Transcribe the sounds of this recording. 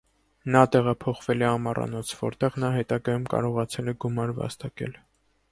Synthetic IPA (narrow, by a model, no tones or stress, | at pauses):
nɑt̪ɛʁɑpʰɔχvɛlɛɑmɑrɑ̰nɔt͡sʰvɔ̰ɾt̪ɛʁnɑɦɛt̪ɑɡɑjumkɑ̰ɾɔʁɑt͡sʰɛlɛɡumɑɾvɑ̰st̪ɑkɛ̰l